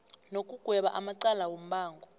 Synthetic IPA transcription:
nokʼuɡ̥ʱwɛɓaʔamaǀalawom̩ɓaːŋɡʱɔ

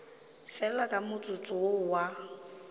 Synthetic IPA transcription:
fɛlakʼamʊt͡sʼʊt͡sʼʊʊwa

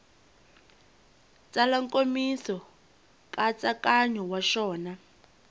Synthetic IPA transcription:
t͡sʼalaŋkʼomisɔ | kʼat͡sakaɲɔwaʃɔːna

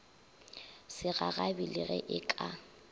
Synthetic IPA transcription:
sɪɣaɣabilɪɣɛ̰ʔɪkʼa

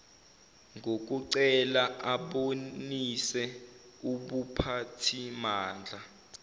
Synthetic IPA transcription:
ŋʱok̬uǀɛlaʔaɓonisɛ | uɓupʰatʰimaːnd͡ɮʱa

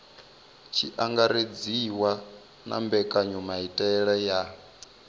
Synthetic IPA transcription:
t͡ʃʰḭʔaŋɡaɾed͡ziwa | nʔa̰mbɛkʼaɲumaitʼɛɺɛja

